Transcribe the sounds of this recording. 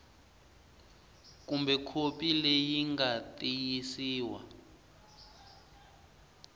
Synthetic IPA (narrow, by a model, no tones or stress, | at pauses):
kumbɛkʰopilɛjiŋɡatʼijisiːwa̰